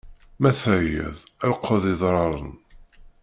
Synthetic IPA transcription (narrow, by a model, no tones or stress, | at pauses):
mæθæjæ̰ðælqʰːəðˤɪðˤɾˤɑɾˤə̰n